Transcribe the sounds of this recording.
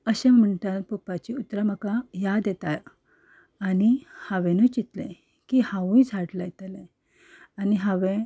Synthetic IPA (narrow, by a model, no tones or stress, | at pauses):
əɕemːəɳʈ̪at̪pupat͡ɕiut̪ːɾaməkajad̪jet̪aj | anihaʋẽnət͡ɕit̪lḛ̃ | kihãʋũjd͡zʱaʈlajt̪əlẽ | aniɦaʋẽ